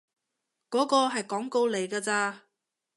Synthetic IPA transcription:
kɔː˨˥kɔː˧ɦɐ˨jkɔː˨˥ŋko˧wle˨˧jkaː˧t͡saː˧

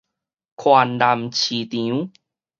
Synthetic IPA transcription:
kʰwa˧nda˧mt͡ɕʰi˧t̪ĩ˧˦ũ˦

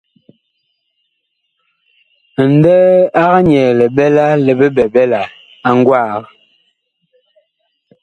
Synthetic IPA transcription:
n˦dɛː˦a˦ɣa˦ɲɛː˨lɛ˨bɛ˦la˦lə˨bə˦bɛ˨bɛ˦la˨ | a˦ŋ˦ɡwaː˦˨ɣə˨˦

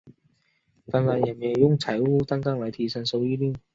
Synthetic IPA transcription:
fɐ˧nla˨njɐ˨˩njɛ˨˩jʊ˥ŋt͡sʰɐ˨˩jwuː˥t̪a˥ŋka˥ŋlɐ˨˧jt̪ʰiː˧sɐ˨˧nso˧wjiː˥liː˥˩n

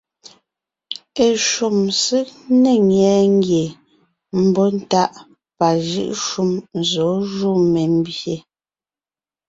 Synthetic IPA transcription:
e˨ʃu˨msi˦ʔne˨ŋɛ˨˦ŋ˦ɡje˨ | m̩˦bɔ˦n̩˦ta˦ʔ | pa˨ʒɯ̰˦˨ʔʃu˦mzɔ˨˦ʒu˦˨me˨m̩˦bje˨

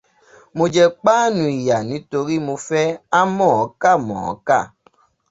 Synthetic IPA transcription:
mo˧d͡ʒɛ˧k͡paː˦nũ˧i˨ja˨nĩ˨˦to˧ɾi˦mo˧fɛ˦a˦mɔ̃˦˨ɔ˨˦ka˦˨mɔ̰̃˨ɔ̰˨˦ka˦˨

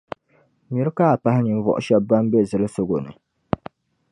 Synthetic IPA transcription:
mi˨ɾɨ˦ka˦a˨pa˦hɪ˦nɨ˨m˦vɔ̰˨ʔʊ̰˦ʃɛ˦bba˦m˦bɛ˦zɨ˨lɨ˦so˦ɡo˨nɨ̰˨

